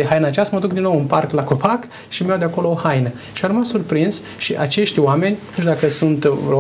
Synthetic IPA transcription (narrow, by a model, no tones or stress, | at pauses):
eɦajnəat͡ʃast̪məd̪uk̚d̪inːowunparklako̞pak | ʃimjawd̪eako̞lo̞ohajnə | ʃiarmasurpɾinz | ʃiʔat͡ʃe̞ʃt̪ʲwame̞nʲat̪unt͡ʃd̪akəsunt̪o